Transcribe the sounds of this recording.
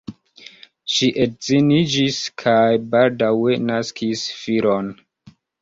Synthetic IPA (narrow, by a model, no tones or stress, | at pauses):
ʃiʔetzinid͡ʒiskʰajbaldawenaskʰisfiɾo̞n